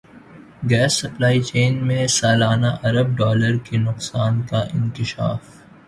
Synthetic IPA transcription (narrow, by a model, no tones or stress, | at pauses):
ɡɛːsːɐplaːit͡ʃeːnmẽsaːlaːnaʔɐɾəb̚ɖɔːləɾkenʊqsaːnkaʔɪ̰̃nkɪʃa̰ːf